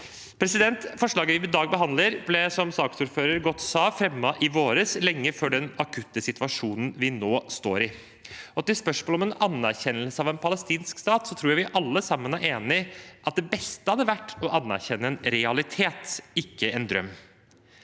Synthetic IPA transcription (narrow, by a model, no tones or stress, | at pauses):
pʰɾɛsɪd̪ɛnt̪fɔʂɭɑːɡəʋɪʋɪd̪ɑːɡ̚bəɦɑnd̪ləɾblɛsɔmsɑːksuːɾføːɾəɾɡɔt̪ːsɑːfɾɛmːɑʔɪʋoːɾəslɛŋːəfɔɖɛnɑkʰʉt̪ːəsɪt̪ʋɑʂuːnn̩ʋɪnoːst̪oːɾɪ | ɔt̪ːɪspœʂmoːlɔmɛnɑnːæɾçɛnːəlsəɑʋɛnpʰɑləst̪iːnskst̪ɑːt̪sɔt̪ʰɾuːjæʋɪʔɑlːəsɑmːənæɾʔeːnɪʔɑt̪̚d̪ɛbɛst̪əhɑd̪ːəʋæʈːɔʔɑnːæ̰ɾçɛnːəɛnɾɛɑlɪt̪ʰeːt̪ɪkːəɛnd̪ɾœ̰mː